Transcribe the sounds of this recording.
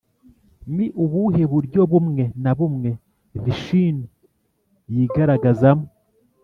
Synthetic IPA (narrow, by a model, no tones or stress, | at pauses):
miʔuβuɦe̞βuɾɟo̞βumŋe̞naβumŋe̞ | viʃini | jiːɡaɾaɡazamo